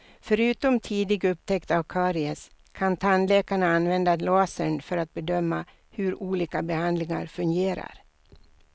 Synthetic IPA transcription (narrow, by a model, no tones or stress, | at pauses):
fœɾʉ̟ːt̪ɔmt̪ʰiːd̪ɪɡɵpt̪ʰɛkt̪avkʰɑːɾɪəs | kʰant̪ʰanlɛːkaɳaanvɛnd̪alɑːsəɳfœɾat̪̚bɛd̪œmːa | hɵɾuːliːkabɛhand̪lɪŋa̰ɾfɵŋɡeːɾa̰ɾ